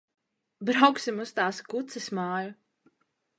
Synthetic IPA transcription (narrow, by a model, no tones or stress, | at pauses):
bɾawksimust̪aːskut̪sɨsmaːju